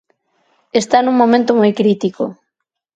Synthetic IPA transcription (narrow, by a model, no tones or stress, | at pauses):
est̪anũŋmomẽnt̪omojkɾit̪iko̰